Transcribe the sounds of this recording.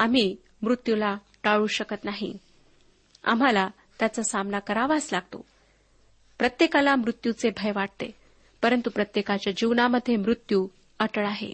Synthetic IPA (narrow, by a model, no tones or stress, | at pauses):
am̤iː | mɾut̪jula | ʈaɭuːɕəkət̪naɦḭ | a̰m̤ala | t̪jat͡səsamnakəɾaʋaslaɡ̚t̪o̰ | pɾət̪jekalamɾut̪jut͡sebʱəjʋaʈ̚t̪ḛ | pəɾənt̪upɾət̪jekat͡ɕjad͡ʑiʋnaməd̪ʱːjemɾut̪juː | əʈəɭaɦḛ